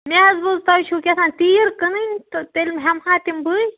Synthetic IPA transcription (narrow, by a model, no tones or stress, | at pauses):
mezbozt̪ɐjt͡ʃʰuːkʲesʰãːnt̪iːɾkɨnɨnʲt̪t̪elʲmɦɐmhãːt̪imbɨj